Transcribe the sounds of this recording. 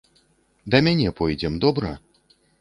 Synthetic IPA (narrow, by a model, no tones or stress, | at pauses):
d̪ɐmʲanʲɛpɔjd͡zʲɛmd̪ɔbɾɐ